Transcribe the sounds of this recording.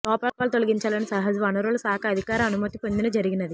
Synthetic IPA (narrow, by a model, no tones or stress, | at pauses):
lɔːpaːpaːlut̪o̞lɐɡiɲt͡ʃaːlɐnisɐɦɐd͡ʒɐʋɐnɐɾoːlusaːkʰɐɐd̪ʱikaːɾɐmɐnumɐt̪ipond̪inɐd͡ʒɐɾiɡinɐd̪i